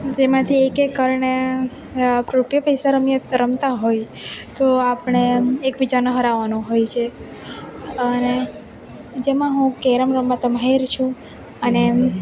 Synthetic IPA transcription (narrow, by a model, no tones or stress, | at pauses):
d͡ʒemãt̪ʰiekekːəɾɳe | pɾupjəpəjsaɾəmjəɾəmt̪aɦoj | t̪oapəɳ̃eekbid͡ʒanəɦəɾaʋanũɦojt͡ʃʰe | əne | d͡ʒemãɦũkeɾəmɾəmːat̪əmɦeɾt͡ʃʰũ | əne